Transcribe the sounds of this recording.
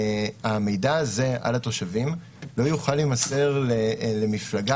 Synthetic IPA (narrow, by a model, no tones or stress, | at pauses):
ame̞jdaze̞a̰lat̪o̞ʃavim | lo̞juχalimase̞ʁlele̞miflaɡa